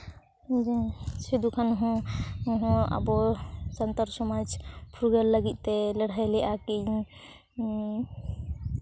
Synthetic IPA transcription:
d͡ʒised̪ukʰanɦɔ̃ɦɔ̃a̰bɔsənt̪əɾsɔmad͡ʒpʰɾuɡəlːəɡit̪̚ˀt̪ɛləɽ̤ajlɛʔakij

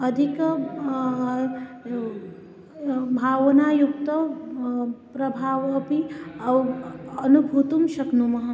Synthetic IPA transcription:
ɐd̪ʱik | bʱaːʋɐnaːjuk̚t̪ɐ | pɾɐbʱaːʋɐpiɐwɐnubʱut̪umʃɐknumɐɦ

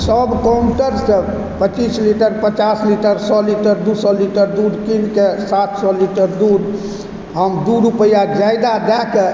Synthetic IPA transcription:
səbkamʈəɾsə̃ | pət͡ʃisliʈəɾpət͡ʃasliʈəɾsɔliʈəɾd̪usɔliʈəɾd̪uɾkinkesat̪sɔliʈəɾd̪uɾ | ɦəmd̪uɾupəjad͡ʒajd̪ad̪ɛke

